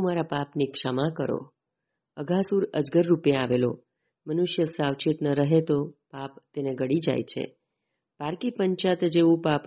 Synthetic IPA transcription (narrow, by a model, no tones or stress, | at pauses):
maɾapapnikʃəmakəɾo̰ | əɡʱasuɾəd͡ʒɡəɾːupjeaʋelo̰ | mənʊʃjəsaʋt͡ʃit̪nəɾəɦet̪opapt̪eneɡəɽid͡ʒa̰jt͡ʃʰḛ | paɾkipəɲt͡ʃat̪d͡ʒeʋũpap